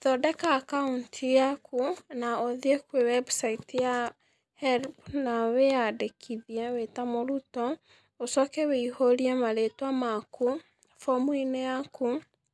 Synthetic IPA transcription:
ðɔdɛkaːkauntʰijakunaoðiekwewɛbusaitija | hɛɾpnaweadekʰiðiɛwetamoɾutɔ | osɔkɛweihoɾiɛmaletwamaku | fɔmwinejaku

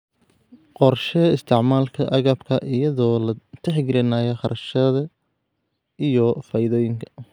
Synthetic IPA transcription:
qɔrʃɛɪst̪ʰɪʕmaːlkʰɐʔɐɣɐːbkʰɐʔɪjɐðɔːlɐt̪ʰɛħɡɪɾɪnaːjɛχɑɾʔɐʃɐðɐ | ijɔfaːjɪðɔːjɪŋkʰɐ̥

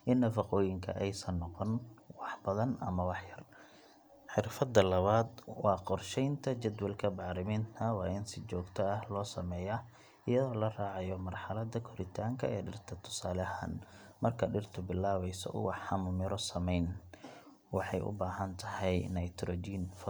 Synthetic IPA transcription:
ʔɪnːɐfɑqɔːjɪŋkʰɐ̰ʔɛjsɐnːɔqɔnwɑħbɐðɐnʔɐ̰mɐwɑħjɐr | ħɪrfɐd̪ːɐlɐβaːd̪wɑːqɔrʃɛjnt̪ʰɐt͡ʃɐd̪wɐlkʰɐbɑʕɾɪmiːnt̪ʰɐwɑːʔɪnsɪt͡ʃɔːɡt̪ʰɐɐhlɔːsɐmɛːjɐ | ɪjɐðɔːlɐraːʕɑjɔmɐrħɑlɐd̪ɐkʰʊɾɪt̪ʰaːŋkʰɐɛːɖɪrt̪ʰɐt̪ʰʊ̥saːlɐha̰ːn | mɐrkʰɐɖɪrt̪ʰʊbɪlːaːβɛjsɔ̰ʔʊ̰wɑħɑmʊmɪɾɔsɐmɛjn | wɑħɑjʔʊ̰baːɦɐnt̪ʰɐhɛjnɐjt̪ʰɾɔd͡ʒiːnfɐ

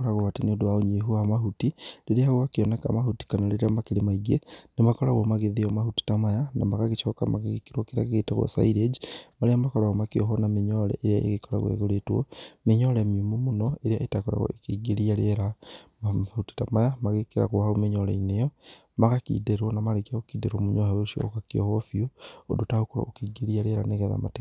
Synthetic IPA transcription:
ɾaɣoβatiniodwaoɲiɦuamaɦutiliɾiaɣwakioneka̰mahuti̥kanaliɾiamakilimaiɡenimakolaɣomaɣeðiomahuti̥tamajanamaɣakit͡ʃokamaɣiɣikiɾwokiɾakiɣetaɣwo̰sa̰iɾed͡ʒimaliamakolaɣomakioɦonamiɲolḛʔeɾiaḛɣikola̰ɣwḛɣuletwo̰miɲolemimumunoeɾijaetakoɾa̰ɣo̰ekiɡelialeɾamahuti̥tamajamaɣekeɾa̰ɣohaumiɲolḛinejɔ | maɣakḭːdeɾwonamalekiaɣokiːdeɾwomuɲoheoʃio̰kakiohofjoodotahukuɾo̰okiːɡeɾialeɾa̰neɣaða̰ma̰te

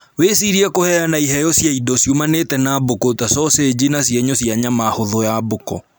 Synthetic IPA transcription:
wesiɾiɛkohɛanaiɦɛjɔsjaidɔsjumanetɛnabokotasɔsed͡ʑinasjeɲosjaɲamahoðɔjabokɔ

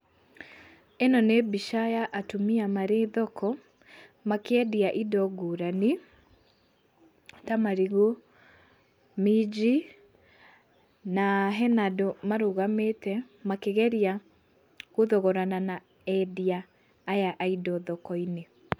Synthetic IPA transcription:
enɔnebiʃajaʔatomiamaɾeðɔkʰɔ | makeɛdiaʔidɔɡoɾani | tamaɾiɣo | mid͡ʒi | naɦɛnadɔmaɾoɣametɛ | makeɣɛɾia | ɣoðɔɣɔɾanana | ɛdiaː | jaʔaidɔðɔkɔine

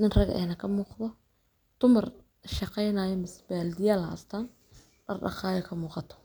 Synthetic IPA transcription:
nɪnrɐɣɛ̰ːnɐkʰɐmuːqðɔ | d̪̥ʊmɐr | ʃɑqɛjnaːjɔmɪsbaːld̪ɪjaːlɐ̰st̪ʰaːn | ɖɐ̰rɗɑ̰χɑːjɔkʰɐmuːqɑt̪ʰɔ̥

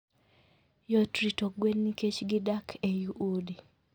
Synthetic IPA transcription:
jɔtɾitoɡwenːiket͡ʃɡɪdakʰejuʔodi

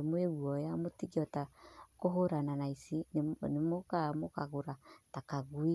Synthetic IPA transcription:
moeɣwɔjamotiɡiɔtakoɦoɾananaisinnemokamokaɣoɾatakaɣwi

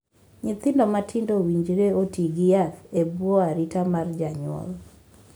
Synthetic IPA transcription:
ɲɪt̪ɪndɔmatʰɪndowiɲd͡ʒɾeotiɡiatebwɔaɾitamard͡ʒaɲʊɔ̰l

